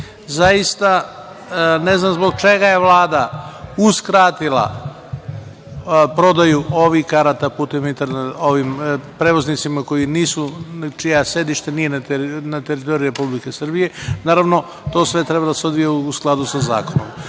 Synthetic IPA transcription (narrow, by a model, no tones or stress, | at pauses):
zajist̪a | ne̞znamzbo̞ɡ̚t͡ʃe̞ɡaje̞ʋlˠaːd̪auskɾaːt̪ilˠa̰ | pɾo̞d̪ajuʔo̞ʋikaɾat̪aput̪emint̪aɾnao̞ʋimpɾeʋo̞znit̪simako̞jiniːsut͡ʃijasje̞d̪iʃt̪enije̞nanat̪eɾit̪o̞ɾiɾe̞publike̞srbije̞naːɾaʋno̞ | t̪o̞ːsʋe̞t̪ɾe̞bad̪aseo̞d̪ʋijeuusklˠad̪usaza̰ːko̞no̰m